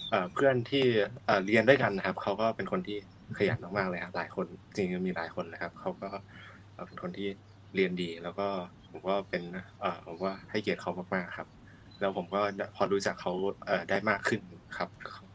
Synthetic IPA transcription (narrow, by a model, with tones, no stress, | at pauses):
ʔɤː˨˩pʰɯ˥˩ənt̪ʰiː˥˩ʔaː˨˩ɾi˧əndaː˥˩jka˧nːa˦kʰa˦˥p̚kʰa˦˥wkɔː˥˩pe˧nkʰo˧nt̪ʰiː˥˩ | kʰa˧ja̰ː˨˦maː˥˩maː˥˩k̚lɤː˧jkʰa˦˥laː˩˦jkʰo˧nt͡ɕi˧ŋa˧miː˧laː˩˦jkʰo˧nlaː˧˦kʰa˦˥p̚kʰa˦˥wkɔː˥˩ | ʔəː˨˩pe˧nkʰo˧nt̪ʰiː˥˩ | ɾi˧əndiː˧lɛː˦˥wkɔː˥˩pʰo˨˩˦mkɔː˥˩pe˧nʔɤː˨˩pʰo˨˩˦mwaː˥˩ha˥˩jki˨˩ə˩t̪̚kʰa˦˥wmaː˥˩k̚maː˥˩kʰːa˦˥p̚ | lɛː˦˥wpʰo˨˩˦mkɔː˥˩apʰɔː˧ɾuː˦˥t͡ɕa˨˩kʰːa˦˥wʔɤː˨˩daː˥˩jmaː˥˩kʰːɯ˥˩nkʰa˦˥p̚ʰ